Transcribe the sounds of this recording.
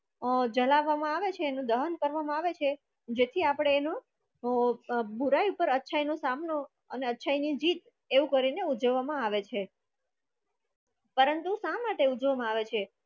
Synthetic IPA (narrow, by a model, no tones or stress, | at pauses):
d͡ʒəlaʋːamãaʋet͡ʃʰeːnũd̪əɦənkəɾʋamãaʋet͡ʃʰe | d͡ʒet̪ʰiapɽ̃eːno | bʱuɾajupəɾətːʃʰainosamno | əneətːʃʰainid͡ʒit̪ | eʋũkəɾineud͡ʒəʋːamãaʋet͡ʃʰe | pəɾənt̪usãmaʈeud͡ʒʋamãaʋet͡ʃʰe